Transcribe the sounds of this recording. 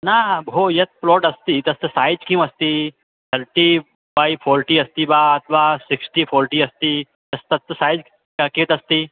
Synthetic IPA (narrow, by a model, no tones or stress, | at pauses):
nabʱojɐt̪̚plɔːʈɐst̪it̪ɐst̪əsaːjd͡ʒkĩũɐst̪i | t̪ʰəɾʈi | baːjpʰɔːɾʈiɐst̪ibaːɐt̪ʋaːsɪksʈipʰɔːɾʈiːɐst̪i | t̪ɐst̪ɐt̪ːsaːjd͡ʒ | kakĩt̪ɐst̪i